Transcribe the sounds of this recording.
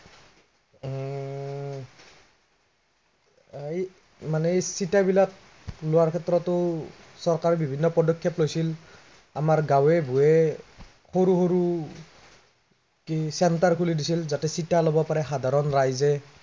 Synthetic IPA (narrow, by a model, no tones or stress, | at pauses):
ej | manɛsitabilak̚ | lʊwaɹkʰɛtɹɔtʊ | sɔɹkaɹɔbʱibʱinːɔpɔdɔkʰːjɔplojsil | amaɹɡawɛbʱujɛ | xoɹuxoɹu | kisɛntaɹkʰulidisilzatɛsitalɔbɔpaɹɛxadʱaɹɔnɹajzɛ